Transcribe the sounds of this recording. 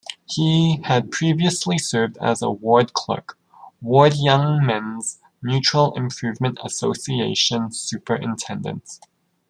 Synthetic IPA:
hiɨd̚pʰɹ̥iviəslisɜ˞vdə̰zə̰wɔɹd̚kʰl̥ʌ̰k | wɔɹdjʌ̃ŋmɛ̃nz̥ | njʉt͡ʃɹ̥l̩ˠɪ̰̃mpʰɹ̥ʉvmɨ̃ntə̰soʊsieɪʃə̃nsʉpə˞ʔɨ̰̃ntʰɛ̃ndɨ̰̃nt

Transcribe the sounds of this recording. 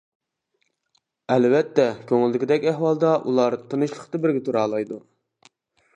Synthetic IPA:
ɛlwɛt̪ːɛkʲʰøŋɪlːɪkʲid̪ɛkʲɛhwɑlˠd̪ɑʔulˠɑɾt̪ʰɨnɨʃlˠə̥qt̪ɨbɪɾɡʲɛt̪ʰuɾɑːlˠɑjd̪u

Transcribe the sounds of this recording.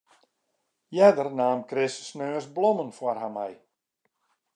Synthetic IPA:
jɛdərnaːmkrɪsəsnøːsblɔmənfwɔrɦamɛ̰j

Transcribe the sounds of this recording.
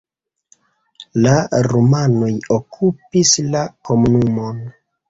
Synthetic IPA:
laɾomano̞jokʰupislako̞munumo̞n

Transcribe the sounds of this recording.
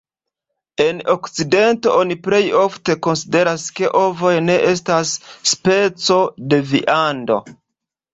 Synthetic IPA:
e̞nokt͡side̞nto̞̰ʔo̞niple̞jo̞fte̞ko̞nside̞ɾaske̞ʔo̞vo̞jne̞ʔe̞s̬tasːpe̞t͡so̞de̞vḭʔando̞̰

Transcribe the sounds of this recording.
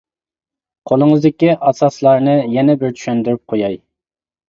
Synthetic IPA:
qʰolˠɨŋəzd̪ɪkʲiʔɑsɑslˠɑɾnɨjɛnɛbɪɾt͡ʃʰy̥ʃynd̪yɾyp̚qʰojɑj

